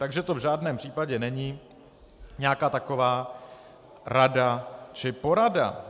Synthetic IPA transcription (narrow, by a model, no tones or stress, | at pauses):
t̪aɡʒɛt̪o̞vʒaːdnɛːmpr̥iːpaɟɛnɛɲiː | ɲɛakaːt̪ako̞vaː | ɾadat͡ʃɪpo̞ɾada̰